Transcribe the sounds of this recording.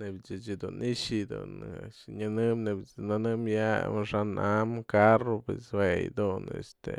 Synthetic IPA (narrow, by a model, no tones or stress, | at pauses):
nebt͡ʃit͡ʃid̪unʔiʂid̪ṵnɲanɨmnebnanɨmjaʂanʔamkaropḛswejd̪unḛst̪ḛ